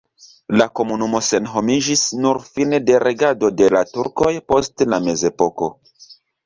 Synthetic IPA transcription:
lako̞munumo̞se̞nɦo̞mid͡ʒisnuɾfinede̞ɾʔeɡado̞de̞latuɾko̞jpo̞stlame̞ze̞po̞ko̞̰

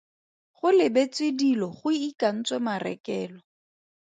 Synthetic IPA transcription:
χʊlɪbet͡swɪdilɔχʊikan̩t͡swɛmarɛ̰kɛːlɔ

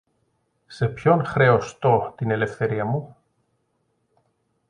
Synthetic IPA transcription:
se̞pçonxɾeost̪ot̪inelefθe̞ɾiɐmu

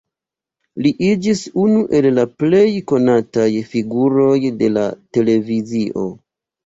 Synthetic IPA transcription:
liʔid͡ʒisunuʔe̞llaple̞jko̞natajfiɡuɾo̞jde̞la̰te̞le̞viziʔo̞̰

